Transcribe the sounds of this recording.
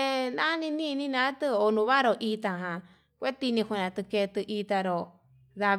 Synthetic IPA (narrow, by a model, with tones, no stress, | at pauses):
e˧nã˦nĩ˧nĩ˦˧nĩ˦nã˧˦t̪ɨ˧o˧˨nũ˧βa˦ɾo˧ʔi˧t̪ã˧˨ɦã˨ | kʷe˦t̪i˧nĩ˧ku˧nã˨˧t̪ɨ˧ke˧t̪ɨ˧ʔi˧t̪a˧ɾo˧ | ða˧β